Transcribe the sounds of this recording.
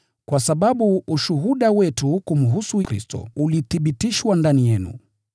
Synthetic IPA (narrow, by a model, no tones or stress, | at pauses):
kwasaɓaɓuuʃuɦuɗawɛtukum̩ɦusukɾḭstɔ̰uliθiɓitiʃwandanijɛnṵ